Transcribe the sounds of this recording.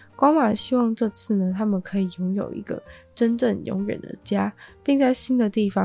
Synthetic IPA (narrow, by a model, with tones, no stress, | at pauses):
kwɑ˥ŋma˨˩ɕi˥wɑ˥˧ŋʈ͡ʂɤ˥˧t͡sʰɹ̩˥˩nə˩t̪ʰa˥mə˨nkʰɤ˧˥i˨˩jʊ˧˥ŋjo˨˩ʊḭ˧˥ɡə̰˧ʈ͡ʂə˥nʈ͡ʂə˥˩ŋjʊ̰˧˥ŋɥə̰˨˩nd̪ə̰˦t͡ɕja˥pi˥˧ŋt͡sa˥˩ɪɕi˥nd̪ə˨t̪i˥˩fɑ˨